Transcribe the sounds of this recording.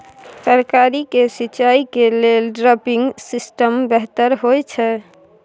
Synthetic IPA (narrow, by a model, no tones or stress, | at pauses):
səɾkaɾikesit͡ʃaikelelɖɾɔpiŋɡsisʈəmbɛɦt̪əɾɦojt͡ʃʰɛ